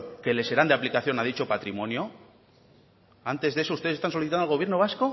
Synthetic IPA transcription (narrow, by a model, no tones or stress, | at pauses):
ke̞le̞se̞ɾand̪eaplikaθjo̞naðit͡ʃo̞pat̪ɾimõ̞njo | ant̪e̞zðesoust̪esest̪ansoliθit̪anolɣoβjeɾno̞β̞asko̞